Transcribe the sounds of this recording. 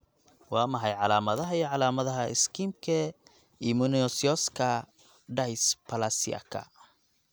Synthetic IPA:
wɑːmɐħɑjʕɑlaːmɐðɐɦɐiʕɑlaːmɐðɐɦɐɪ̰skʰimkʰɐ | imʊnɔsiɔskʰɐ | ɖɐjspʰɐlasḭa̰kʰɐ̰

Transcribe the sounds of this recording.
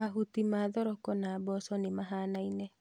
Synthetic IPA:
aɦutimaðɔɾɔkɔnabɔsɔnimaɦaːnainɛ

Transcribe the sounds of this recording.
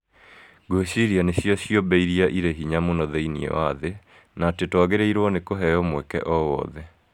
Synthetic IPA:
ɡoeɕiɾianeɕjɔɕjobɛiɾiaʔiɾeɦiɲamonɔðeiniɛ̰waðe | natetwaɣeɾeiɾwɔnekoɦɛjɔmwɛkɛ̰ʔɔwɔ̰ðɛ

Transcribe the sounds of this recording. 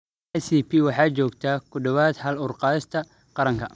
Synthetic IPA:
ɛsipʰiwɑħɑːt͡ʃɔːɡt̪ʰakʰʊdɔβaːd̪hɐlʊrqɑːɪst̪ʰɐ | qɑɾɐŋkʰɐ

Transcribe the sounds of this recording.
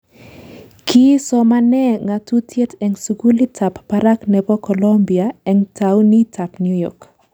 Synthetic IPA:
kʰisɔmanɛŋatutʰjetʰɛŋsuɡulitʰapːaɾaknɛbɔkɔlombiaɛŋtʰawnitʰapnjujɔ̰k

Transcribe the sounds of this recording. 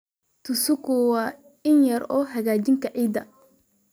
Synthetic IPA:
t̪ʰʊsʊkʊwɑː | ɪnjɐɾɔːɦɐɣaːt͡ʃɪŋkʰɐʕiːd̪ɐ̰

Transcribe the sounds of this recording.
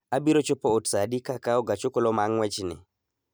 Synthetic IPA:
abiɾot͡ʃopootsadikakaɔɡat͡ʃokɔlomaŋwɛt͡ʃnɪ̰

